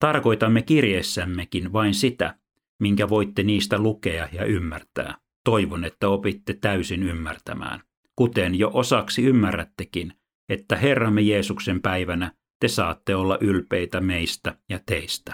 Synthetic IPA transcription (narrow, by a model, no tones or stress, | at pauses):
t̪ɑrkoit̪ɑmːekirjesːæmːekinʋɑinsit̪æ̰ | miŋkæʋoit̪ːeniːst̪ælukeɑjɑ̰ʔymːært̪æ̰ː | t̪oiʋonet̪ːæopit̪ːet̪æysinymːært̪æ̰mæ̰ːn | kut̪enjoʔosɑksiymːærːæ̰t̪ːekin | et̪ːæherːɑmːejeːsuksempæiʋænæ | t̪esɑːt̪ːeolːɑʔylpeit̪æmeist̪æjɑt̪eist̪æ̥